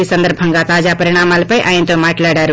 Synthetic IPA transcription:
isɐnd̪əɾbʱəŋɡat̪aːd͡ʒapɐɾiɽ̃aːmalpəjʔaːint̪omaʈlaɽaɾu

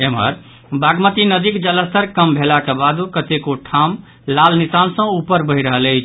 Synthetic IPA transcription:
emɦə̰ɾ | baɡmət̪inəd̪ikd͡ʒələst̪əɾkəmbʱelakebad̪ukət̪ekoʈʰam | lalnisansə̃upəɾbəɦiɾəɦələɪt͡ʃʰ

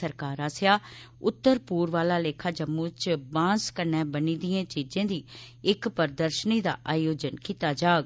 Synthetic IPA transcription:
əɾkaːɾaːsjaː | ʊt̪ːəɾpuːɾʋaːlaːleːkʰaːd͡ʒəmːũːt͡ʃbãːskəɾnɛːbəniːd̪ɪjẽːt͡ʃiːd͡ʒẽːd̪iː | ɪkpəɾd̪əɾʃəniːd̪a̰ːʔaːjoːd͡ʒənkiːt̪aːd͡ʒaːɡ

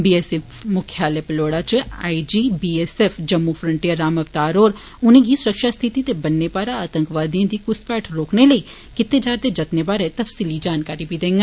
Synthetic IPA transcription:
biːɛsefmʊkʰjaːlepɪloːɽat͡ʃa̰ːid͡ʒiːbiːesɛfd͡ʒɐmːufʰɾə̃ɳʈijəɾːaːmɐʋt̪aːɾoːɾ | ʊnẽɡisʊɾəkʃast̪ʰɪt̪it̪ebɐnːepaːɾaaːt̪ə̃ŋkʋaːd̪ijãd̪ikʊspɛːʈʰɾoːkneləi | kɪt̪ːed͡ʒaːɾd̪ed͡ʒɐt̪nepaːɾɛt̪ɐfsiːlid͡ʒaːnkaːɾibʱid̪ẽːŋɡe

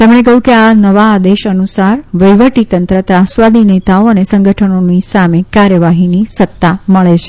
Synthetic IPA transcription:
t̪emɳ̃ekəɦjũkeanəʋaːd̪eʃənusaɾʋəjʋəʈit̪ənt̪ɾət̪ɾasʋad̪inet̪aoənesə̃ŋɡəʈʰənonisamekaɾjəʋaɦinisət̪ːaməɭet͡ʃʰe

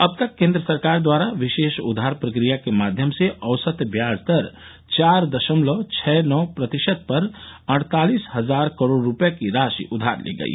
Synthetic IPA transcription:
əb̚t̪əkːẽːnd̪ɾəsəɾkaːɾd̪waɾaʋiʃeːʃṵd̪ʱːaɾpɾəkɾijakemaːd̪ʱjəmseʔəʋsət̪bjad͡ʒt̪əɾ | t͡ʃaːɾd̪əʃəmlɔt͡ʃʰɛnɔpɾət̪iʃəd̪̚pəɾəɽ̃t̪aːlisɦəd͡ʒaːɾkəɾoɽɾːupjakiɾaʃḭʔʊd̪ʱa̰ɾlḛɡə̰ḭ

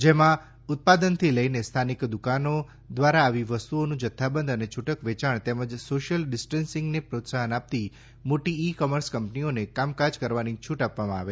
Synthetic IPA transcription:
d͡ʒemã | ʊt̪̚pad̪ənt̪ʰiləinest̪ʰanikd̪ukano | d̪ʋaɾaːʋiʋəst̪uonũd͡ʒət̪ʰːabənd̪ənet͡ʃʰuʈəkʋet͡ʃaɳ̃t̪ɛməd͡ʒsoʃjəlɖɪsʈensɪ̃ŋɡnepɾot̪saɦənap̚t̪i | moʈiːkɔməɾskəmpnionekamkaɾd͡ʒkəɾʋanit͡ʃʰuʈapʋamãaʋe

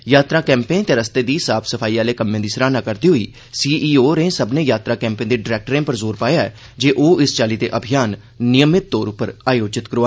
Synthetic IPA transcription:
jaːt̪ɾãːkɛ̃ːmpẽːt̪eːɾəst̪eːd̪iːsaːpʰsəpʰaːiːaːleːkəmːẽːd̪iːsɾaːnaːkəɾd̪iːɦʊiː | siːʔiːoːɾẽːsəbnẽːjaːt̪ɾaːkɛ̃ːmpẽːnd̪eːɖɪɾɛːk̚ʈɾẽːpəɾzoːɾpaːjaːɛː | d͡ʒeːʔoːɪst͡ʃaːliːd̪ḛːʔəbʱɪjaːnː | ɪjəmɪt̪̚ːoːɾʊpːəɾaːjoːd͡ʒɪt̪kəɾoa

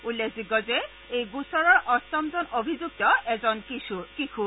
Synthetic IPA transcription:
ulːekʰziɡɔzɛ | ejɡusɔɹɔɹʔɔstɔmzɔnʔobʱizuk̚tɔɛzɔnkikʰu

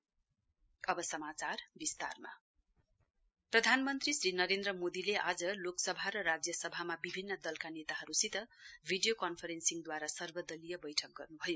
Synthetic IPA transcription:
ʌbʌsʌmat͡sarbist̪a̰rma̰ | prʌd̪ʱanmʌnt̪risrinʌɾend̪rʌmod̪ileʔad͡zʌloksʌbʱaɾʌɾad͡zjʌsʌbʱamabibʱinːʌd̪ʌlkanet̪aɦʌɾusit̪ʌbʱiɖijokʌnpʰʌɾensiŋd̪waɾasʌrbʌd̪ʌlijʌbʌjʈʰʌk̚ɡʌrnubʱʌjo

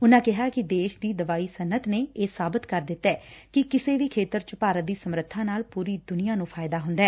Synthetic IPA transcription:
ʊnãːkɪɦaːkɪd̪eːʃd̪iːd̪əʋaːiːsənət̪neːeːsaːbɪt̪kəɾd̪ɪt̪ːɛːkɪkɪseːʋiːkʰeːt̪əɾt͡ʃəpaːɾət̪̚d̪iːsəmɾət̪ʰːãːnaːlpuːɾiːd̪ʊnɪjaːnũːpʰaːjd̪aːɦʊ̃nd̪ɛː

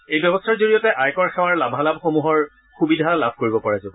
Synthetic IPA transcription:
ejbɛbɔstʰaɹzoɹijɔtɛʔajkɔɹxɛwaɹlabʱalabxomuɦɔɹ | xubidʱalabʱkoɹibɔpaɹazɔbɔ

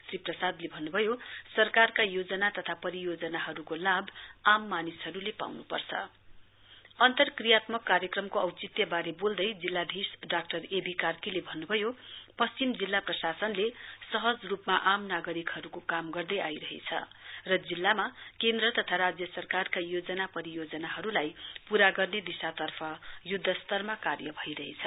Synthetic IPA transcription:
sriprʌsad̪lebʱʌnːubʱʌjosʌrkarkajod͡zʌnat̪ʌt̪ʰapʌɾijod͡zʌnaɦʌɾukolabamːanisɦʌɾulepa̰wnupʌ̰rt͡sʰʌ̰ | ʌnt̪ʌrkrijat̪mʌkːaɾjʌkrʌmkoʌwt͡sit̪jʌbaɾebold̪ʌjd͡zilːad̪ʱisɖak̚ʈʌrebʱikarkilebʱʌnːubʱʌjopʌst͡simd͡zilːaprʌsasʌnlesʌɦʌd͡zrupmaʔamnaɡʌɾikhʌɾukokamɡʌrd̪ʌjajɾʌɦḛt͡sʰʌ̰ | rʌd͡zilːamakend̪rʌt̪ʌt̪ʰaɾad͡zjʌsʌrkarkajod͡zʌnapʌɾijod͡zʌnaɦʌɾulajpuɾaɡʌrned̪isat̪ʌrpʰʌjud̪ʱːʌst̪ʌrmakarjʌbʱʌiɾʌɦḛt͡sʰʌ

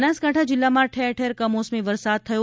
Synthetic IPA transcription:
naskaʈʰad͡ʒɪlːamãʈʰeɾʈʰeɾkəmosmiʋəɾsad̪̚t̪ʰəjo

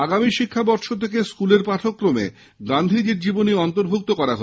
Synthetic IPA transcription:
aɡamiʃikʰːabɔɾʃot̪ʰek̬eskuleɾpaʈ̪ʰokːɾomḛ | ɡand̪ʱid͡ʑeɾd͡ʑiboniɔnt̪oɾbʱuk̚t̪okɔɾaɦo

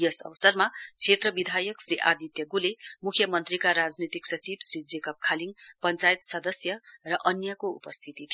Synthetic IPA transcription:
jʌsʌ̰wsʌrmat͡sʰet̪rʌbid̪ʱajʌksriʔa̰d̪it̪jʌɡulemukʰjʌmʌnt̪rikaɾad͡znit̪iksʌt͡sibsrid͡zekʌp̚kʰaliŋpʌnt͡sajt̪sʌd̪ʌsjʌrʌʔʌnjʌkoṵpʌst̪ʰit̪it̪ʰi

